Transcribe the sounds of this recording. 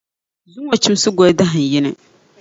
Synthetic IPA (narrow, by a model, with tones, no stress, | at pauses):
zʊ˦ŋa˨t͡ʃi˦m˦sɨ˦ɡɔ˦da˦ɦɨ˨n˨jɪ˦nɨ˨